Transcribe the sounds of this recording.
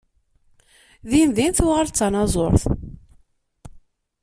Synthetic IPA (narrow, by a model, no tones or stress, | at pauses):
ðinðinθuʁaɾt͡sːɑnɑzˤoɾˤθ